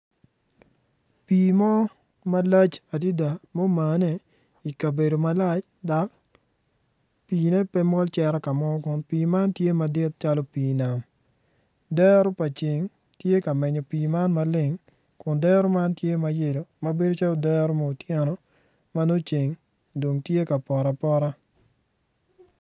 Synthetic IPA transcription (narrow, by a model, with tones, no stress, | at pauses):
piː˨mɔ˦ | ma˦la˦t͡ʃa˨di˦da˨mo˦ma˨nɛ˦ | i˨ka˨be˨do˨ma˦la˦t͡ʃ | da˨k | piː˨nɛ˦pɛ˦mɔ˦lt͡ʃɛ˦ɾɛ˦ka˨mɔ˦kʊ˨npiː˨ma˦ntje˦ma˨dɪ˦t̚t͡ʃa˦lo˦piː˨na˨m | dɛ˦ɾo˦pa˨t͡ʃɪ˨ŋ | tje˦ka˨mɛ˨ɲo˨piː˨ma˦nma˨lɪ˦ŋ | kʊ˨ndɛ˦ɾo˦ma˦ntje˦ma˨je˦˨lo˨ma˨be˦do˦t͡ʃa˦lo˦dɛ˦ɾo˦mo˦o˨tjɛ˦nɔ˦ | ma˦no˦t͡ʃe˨ŋ | do˨ŋtje˦ka˨pɔ˨ɾa˨pɔ˦ɾa˦